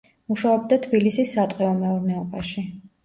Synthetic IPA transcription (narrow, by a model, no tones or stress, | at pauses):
muʃaɔb̚d̪at̪ʰbilisisːat̪ʼqʼɛɔmɛuɾnɛɔbaʃi